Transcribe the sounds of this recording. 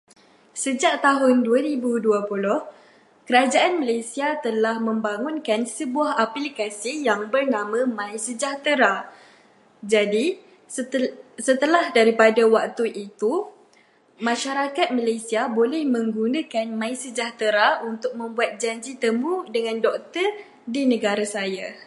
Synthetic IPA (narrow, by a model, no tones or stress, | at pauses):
səd͡ʒaʔ̚t̪aɦʊnduaɾibuduapulɔh | kəɾad͡ʒaʔanmalasiat̪əlahmə̃mbaŋʊ̃nkansəbuaɦapilikasijaŋbərnãmãmãisəd͡ʒaht̪əɾa | d͡ʒadi | sət̪əlahdaɾipadawak̚t̪uʔit̪u | mãʃaɾakat̪̚malasiabolɛhmə̃ŋɡunãkanmãisəd͡ʒaht̪əɾaunt̪ʊk̚mə̃mbuat̪̚d͡ʒaɲd͡ʒit̪əmudəŋãndɔk̚t̪ər | dinə̃ɡaɾasaja